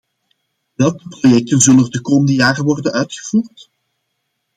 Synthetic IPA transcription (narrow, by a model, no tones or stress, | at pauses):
ʋɛlˠkəprojɛk̚tənzɵlənɛrdəkoːməndəjaːrəʋɔrdənʔœɥtxə̥v̥uːrt